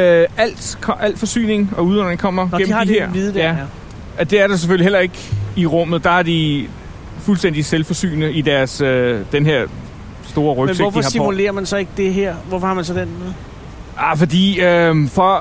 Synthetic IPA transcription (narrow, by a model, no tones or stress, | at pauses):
øæl̰d̥ʰʔæl̰d̥fɒ̽sy̰ːne̝ŋɒ̽uðˠɒn̰ʁeŋkʰɒ̽m̰ɐɡ̥em̰mɑæɐ̰ʋið̩ˠdæ | d̥e̝æɐɾ̥ɑs̬efølihel̰ɐe̝ɡ̥iʁɔ̽m̰ð̩ˠd̥ɑ̈æɐd̥i | fulsd̥end̥iselfɒ̽sy̰ːnəid̥æɐsød̥enɦeɐ̰ | sd̥o̝ːɐʁœɡmseɔfihɑ̈imule̝̰ːɐmænsɒ̽e̝ɡ̥əd̥e̝ɦeɐ̰ʋɒfɒhɑ̈mænsɒ̽d̥enm̩ | afɒ̽d̥ḭːøfɒ̽